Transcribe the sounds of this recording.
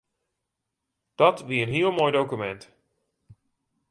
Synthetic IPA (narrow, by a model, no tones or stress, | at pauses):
d̥ɔtʋiːənɦiəlˠmoːjdowkymɛnt